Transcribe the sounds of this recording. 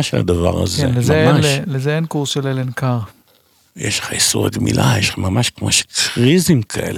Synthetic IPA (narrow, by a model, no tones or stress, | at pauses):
ʃela̰d̪ava̰ʁa̰zelemzemaʃlezeenkuʁsʃelelenkaʁ | jʔeʃleχaisuʁaɡmḭlʔajeʃamamaʃkmoʃe̥kʁizimkʰaʔḛl